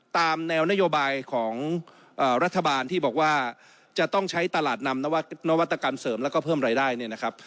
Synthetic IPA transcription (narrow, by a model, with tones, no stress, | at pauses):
t̪aː˧mnɛː˧wna˥joː˧baː˧jkʰɔː˩˦ŋ | ʔaː˨˩ɾa˦˥t̪ʰːa˧baː˧nt̪ʰiː˥˩bɔː˨˩k̚waː˥˩ | t͡ɕa˨˩t̪ɔ˥˩ŋt͡ɕʰa˦˥jt̪a˧laː˨˩t̪̚na˧mna˦˥wa˥na˦˥wa˦˥t̪ːa˧ka˧msɤː˩˦mlɛː˦˥wkɔː˥˩pʰɤː˥˩mɾaː˧jdaː˥˩jni˥˩na˦˥kʰa˦˥p̚